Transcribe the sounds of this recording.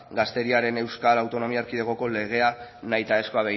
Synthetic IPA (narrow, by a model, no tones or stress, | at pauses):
ɡast̪e̞ɾiaɾe̞ne̞wskalawt̪o̞no̞miaɾkiðeɣo̞ko̞le̞ɣ̞e̞anajt̪aesko̞aβe